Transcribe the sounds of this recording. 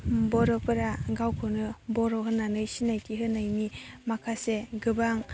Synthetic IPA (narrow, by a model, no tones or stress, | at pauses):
bɔɾɔpɯɾaɡawkʰɯnɯbɔɾɔɦɯnːanɯjsinajtʰiɦɯnːajmimakʰaseɡɯbaŋ